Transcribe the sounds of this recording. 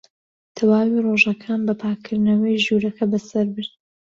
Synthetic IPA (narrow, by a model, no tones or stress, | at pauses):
t̪ʰɐwaːwiroʒɐkʰaːnbɐpʰaːkʰɨɾd̪nɐwɐjʒuɾɐkʰɐbɐsɐɾbɨɾt̪